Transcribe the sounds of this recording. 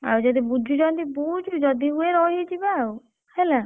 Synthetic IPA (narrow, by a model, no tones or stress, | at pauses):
a̰wd͡ʒɔd̪ibud͡ʒʱud͡ʒɔd̪ibud͡ʒʱud͡ʒɔd̪iueɾɔɦid͡ʒʰibaw | hela